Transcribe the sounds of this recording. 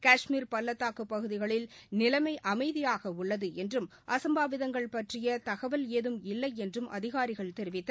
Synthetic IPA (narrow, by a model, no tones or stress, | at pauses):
kaːʂmiːɾpɐlːɐt̪ːaːkɯpːɐɣɯðɪɣɐɭɪlnɪlɐmɐɪʔɐmɐɪðɪjaːɣɐʊɭːɐðɯɛndrɯmʔɐsɐmbaːʋɪðɐŋɡɐɭpɐʈrɪjɐt̪ɐɣɐʋɐleːðɯmɪlːɐɪɛndrɯmʔɐ̰ðɪɣaːɾɪɣɐɭt̪ɛɾɪʋɪt̪ːɐ